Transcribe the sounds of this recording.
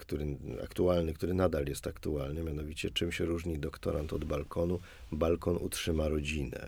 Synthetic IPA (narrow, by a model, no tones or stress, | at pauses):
kt̪uɾɘa̰kt̪ualnɘkt̪uɾɘnad̪aljɛst̪akt̪ualnɘmʲjan̪ɔvʲit͡ɕɛt͡ʂɘmɕɛɾuʐɲid̪ɔkt̪ɔɾant̪ɔd̪balkʰɔnu | balkɔnṵtʂɘmaɾɔd͡ʑinɛ̰